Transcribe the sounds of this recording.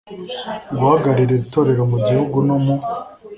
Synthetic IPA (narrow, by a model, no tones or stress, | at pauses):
ɡuhaɡaɾiɾeɾitoɾe̞ɾomuɟihuɡunomu